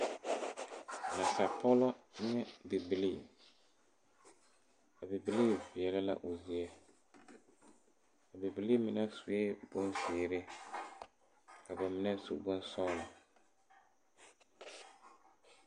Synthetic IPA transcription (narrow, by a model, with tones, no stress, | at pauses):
na˨sa˨pʰɔ˦lɔ˦ɲɛ˦bɪ˨bɪ˨li˦˨ | ka˨bɪ˨bɪ˨li˦˨vɪ˨ɛ˨la˦la̰˦ʔʊ˨zi˦ɛ˦ | ka˨bɪ˨bɪ˨li˦mɪ˨na˦su˨ɛ˦bʊ˦nzɪː˨ɾɪ˦ | ka˨bɛ˨mɪ˦na˦sṵ˦ʔbʊ˦n˦sɔ˦la˨